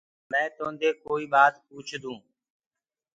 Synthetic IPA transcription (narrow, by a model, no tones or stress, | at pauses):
mɛ̃ːt̪õːnd̪eːkoːiːɓaːt̪puːt͡ʃʰd̪ũː